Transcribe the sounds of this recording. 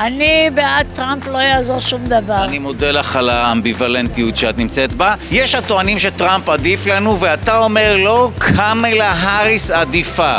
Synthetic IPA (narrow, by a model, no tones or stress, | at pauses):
anibeat̚tːʁamplo̞jaːzo̞ʁʃumd̪avanimodelaχalaambivalent̪ijut̪ʃeat̪nimt͡set̪bajeʃhatoanimʃet̪ʁampad̪iflanuveatao̞me̞ʁlo̞kʰamelaɦaʁisad̪ifa